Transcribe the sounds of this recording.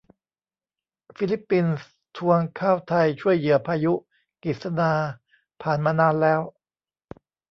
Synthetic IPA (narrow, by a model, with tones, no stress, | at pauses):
fi˦˧˥li˦˥pːi˧ns | t̪ʰu˧əŋkʰaː˥˩wt̪ʰa˧jt͡ɕʰu˥˩əjːɯ˩˦ɐpʰaː˧ju˦˥ | ki˨˩t̪̚sa˧naː˧ | pʰaː˨˩nmaː˧naː˧nlɛː˦˥w